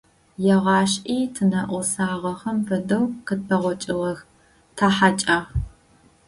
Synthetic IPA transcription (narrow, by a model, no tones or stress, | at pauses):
jɛʁɑːɕʔiːtʰɨnɐʔʷɔsaːʁɐχɐmfɨdɐwqət̚pʰɐʁʷɔt͡ʃʼɪʁɐx | tʰaːħat͡ʃʼaːʁ